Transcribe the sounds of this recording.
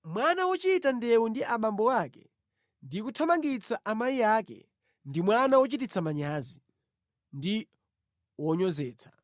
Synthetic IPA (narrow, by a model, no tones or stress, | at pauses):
mwanawɔt͡ʃitandɛwundiʔaɓambɔwaːkɛ | ndikutʰamaŋɡit͡saʔamajijaːkɛ̰ | ndimwanawɔt͡ʃit̬it͡samaɲaːzi | ndi | wɔɲɔzɛːt͡sʰḁ